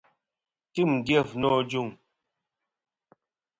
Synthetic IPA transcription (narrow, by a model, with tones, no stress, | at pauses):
ti˦˨m̩˨djɛ˦˨fnɔ˦˨d͡ʒu˦˨ŋ